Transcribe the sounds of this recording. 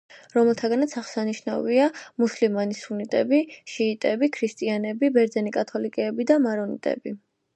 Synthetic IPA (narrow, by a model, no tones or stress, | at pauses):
ɾɔmɛlˠt̪ʰaɡanat̪sʰaʁsaniʃna̰viamuslimanisunit̪ʼɛ̰biʃiːt̪ʼɛbikʰɾist̪ʼianɛbibɛɾd̪zɛnikʼat̪ʰɔlikʼɛːbid̪amaɾɔnḭt̪ʼɛ̰bi